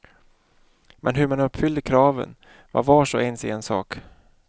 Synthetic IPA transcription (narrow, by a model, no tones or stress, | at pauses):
mʔɛnɦɵɾmanɵpːfʏld̪əkʰɾɑːvə̰n | va̰ɾvaːʂoʔɛnsɛɛnsɑ̰ːk